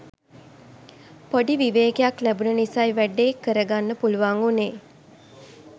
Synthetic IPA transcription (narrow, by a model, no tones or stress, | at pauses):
poɖiʋiʋeːkejaklæbunənisajʋæɖeːkːəɾəɡanːəpuluʋaŋuneː